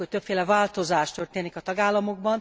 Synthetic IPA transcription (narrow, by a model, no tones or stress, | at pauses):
oc̚t̪øpfeːlɛvaːlt̪o̞zaːʃt̪ø̞rt̪eːnikɒt̪ɒɡaːlːɒmo̞ɡ̚bɒn